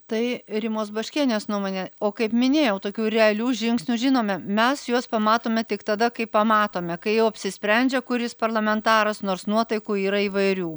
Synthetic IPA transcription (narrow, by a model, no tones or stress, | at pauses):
t̪ɐɪɾʲɪmoːsbɐʃʲkʲiːnʲeːsnuɔmoːnʲeːoːkɐɪpmʲɪnʲeːjɛʊt̪oːkʲuːɾʲɛɐlʲuːʒʲɪŋksʲnʲuːʒʲɪnoːmʲɛmʲɛsjuɔspɐmɑːt̪oːmʲɛt̪ʲɪkt̪ɐd̪ɐkɐɪpɐmɑːt̪oːmʲɛkɐɪjɛʊɐpʲsʲɪsʲpʲɾʲɛnʲd͡ʒʲɛkʊɾʲjɪspɐrlˠɐmʲɛnt̪ɑːɾɐsnoːrsnuɔt̪ɐɪkuːiːɾɐiːʋɐɪɾʲuː